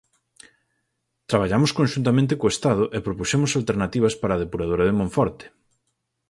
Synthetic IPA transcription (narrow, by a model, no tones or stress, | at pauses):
t̪ɾaβ̞aʎamʊskõnʲʃunt̪amẽnt̪ɪkoest̪aðʊʔepɾopusemʊsalt̪eɾnat̪iβɐspaɾaːð̞epuɾað̞oɾɐðemõɱfɔɾt̪ɪ̥